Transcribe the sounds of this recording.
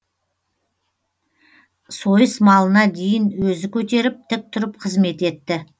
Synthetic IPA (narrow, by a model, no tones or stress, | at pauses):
so̞jəsmɑlˠənɑd̪e̞jɪnwɵzɪkʲʰɵt̪e̞ɾɪp̚t̪ʰɪk̚t̪ʰʊɾəp̚qʰəzme̞t̪e̞t̪ːɪ